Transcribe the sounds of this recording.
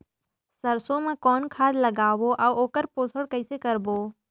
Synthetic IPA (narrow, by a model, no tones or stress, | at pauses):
səɾsomãkɔːnkʰaːd̪lɐɡaːʋoʔaʋoːkəɾpoːsʰəɽkəɪsekəɾboː